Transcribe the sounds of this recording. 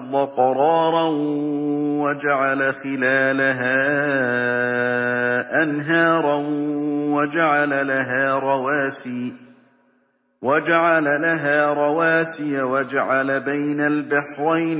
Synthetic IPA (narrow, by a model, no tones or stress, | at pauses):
ðˤːɑqɑɾˤɑːɾˤɑ | wad͡ʒaʕalaxɪlaːlaɦaː | ʔanɦaːɾˤɑ | wad͡ʒaʕalalaɦaːɾˤɑwaːsiː | wad͡ʒaʕalalaɦaːɾˤɑwaːsɪjawad͡ʒaʕalabajnalbɪħɾˤajn